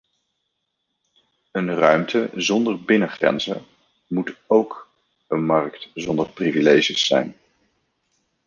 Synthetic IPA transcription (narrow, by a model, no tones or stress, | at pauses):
ənrœɥmtəzɔndərbɪnəχrɛ̰nzə̰ | mutowk | ənmɑɹktzɔndərprivilejʒəsːɛ̰jn